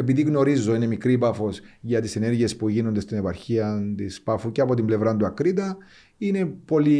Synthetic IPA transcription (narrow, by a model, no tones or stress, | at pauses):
epiðiɣno̞ɾizːo̞ine̞mikɾipɐfo̞sʝɐt̪isene̞ɾʝie̞spuʝino̞nd̪e̞st̪ine̞pɐɾçiɐnt̪ispɐfuceɐpo̞t̪imble̞vɾɐnd̪uɐkɾit̪ɐ | ine̞po̞li